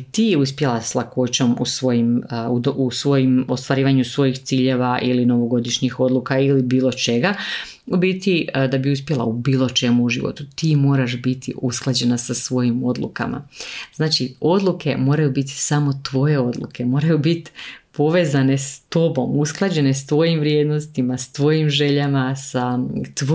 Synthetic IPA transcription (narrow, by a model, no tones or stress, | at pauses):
t̪iːjɛuspje̞lˠaslˠako̞t͡ɕo̞mṵsʋo̞jimuusʋo̞jimo̞st̪ʋaɾiːʋaɲusʋo̞jixt̪siːʎe̞ʋaʔilino̞ʋo̞ɡo̞d̪iʃɲixo̞d̪lukailibiːlˠo̞t͡ʃe̞ɡa | bit̪id̪abiuspje̞lˠa̰ubiːlˠo̞t͡ʃe̞muuʒiʋo̰t̪u̥t̪iːmo̞ːɾaʃbit̪ḭʔusklˠad͡ʑe̞nasasʋo̞jimo̞d̪lṵka̰ma̰z̥naːt͡ʃio̞d̪lˠukʰe̞mo̞ːɾajubit̪i̥samo̞t̪ʋo̞je̞o̞d̪lˠṵkʰe̞mo̞ːɾajubit̪po̞ʋe̞ːzane̞st̪o̞bo̞musklˠad͡ʑe̞ne̞st̪ʋo̞jimʋɾje̞d̪no̞st̪imast̪ʋo̞jimʒe̞ʎamasat̪